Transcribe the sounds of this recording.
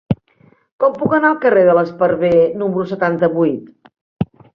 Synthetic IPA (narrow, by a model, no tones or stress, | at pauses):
kɔmpukənaəlˠkəreðələspəɾβenumɾusət̪ant̪əβujt̪